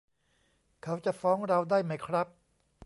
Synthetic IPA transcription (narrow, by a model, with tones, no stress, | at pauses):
kʰa˦˥wt͡ɕa˨˩fɔː˦˥ŋɾa˧wdaː˥˩jma˦˥jkʰɾa˦˥p̚